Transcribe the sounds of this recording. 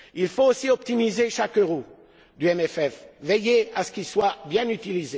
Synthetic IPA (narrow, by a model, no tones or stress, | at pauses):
ilfoosiɔp̚t̪imizeʃakøʁo | d̪yɛmɛfɛfvejeasə̥kilswabjɛ̃nyt̪ilize